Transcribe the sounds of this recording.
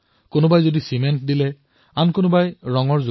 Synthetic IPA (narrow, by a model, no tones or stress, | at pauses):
kʊnʊbajzodisimɛntdilɛ | ankʊnʊbajɹɔŋɔɹzu